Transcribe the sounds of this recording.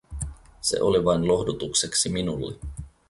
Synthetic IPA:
se̞̰ʔoliʋɑjnlo̞hdut̪ukse̞ksiminulːe

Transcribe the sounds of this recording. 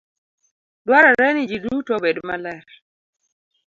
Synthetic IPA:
dwaɾaɾɛnid͡ʒidutobedmalɛɾ

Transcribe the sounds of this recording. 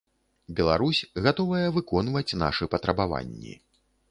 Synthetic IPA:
bʲɛlˠa̰ɾusʲɣat̪ɔvɐjɛvɨkɔnvɐt͡sʲn̪a̰ʂɨpɐt̪ɾɐbava̰nʲːḭ

